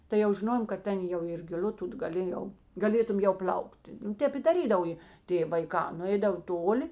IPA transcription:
tɐɪ jɛʊ ʒʲɪˈnoːjoːm kɐt ˈtʲɛn jɛʊ ɪr ɡʲɪˈlʲʊ ˈtʊt ɡɐˈlʲeːjɛʊ ɡɐˈlʲeːtʊm ˈjɛʊ ˈpʲlʲɐʊktʲɪ ˈtʲɛp ɪ dɐˈrʲiːdɐw jeː ˈtʲeː ʋɐɪˈkɑː nʊˈɛɪdɐʋoː ˈtoːˌlʲɪ

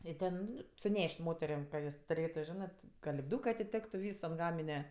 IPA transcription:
ɪ ˈtʲɛn ˈnʊ sʊˈnʲɛʃʲtʲ ˈmoːtʲɛrʲeːm kɐ ˈjoːs tʊˈrʲeːtʊ ˈʒʲɪnɜ tʲɪ kɐ lʲɪbˈduːkɜ ɐtʲɪˈtʲæːktʊ ˈʋʲiːs ɐnt ˈɡɑːmʲɪnʲɛ

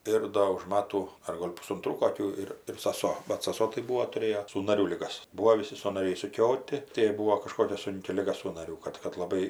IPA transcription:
ˈɪr doː ʊʃ ˈmɑːtuː ɐr ˈɡoːlʲ pʊsʊnˈtruː koːˈkʲuː ɪr ɪr sɐˈsoː bɐt sɐˈsoː tɐɪ ˈbuːoː tʊˈrʲeːjoː suːnɐˈrʲuː lʲɪˈɡɐs ˈbuːoː ʋʲɪˈsʲɪ sɐnɐˈrʲɛɪ ɪʃsʊˈkʲoːtʲɪ tɐɪ jɛɪ ˈbuːoː kɐˈʃkoːkʲɛ ˈsʊŋʲkʲɪ ˈlʲɪɡɐ suːnɐˈrʲuː ˈkɐt kɐt lˠɐˈbɐɪ

